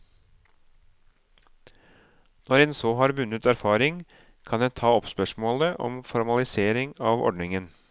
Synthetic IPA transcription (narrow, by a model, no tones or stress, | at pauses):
nɔɾɛːnsoːɦɑːɾʋʉnət̪æɾfɑːɾɪŋ | kʰɑnjæt̪ʰɑːɔpspœʂmoːləʔɔ̰mfɔɾmɑlɪseːɾɪŋɑːʋɔ̰ɖɳɪŋən